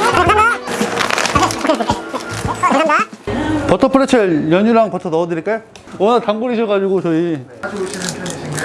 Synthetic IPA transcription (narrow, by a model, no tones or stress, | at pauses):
ana | anapʌtʰʌpʰɯɾet͡ɕʰejʌɲuɾaŋpʌtʰʌnʌʌdɯɾiɭk͈e | ʌnataŋɡuɾiɕʰiɡad͡ʑiɡot͡ɕʌi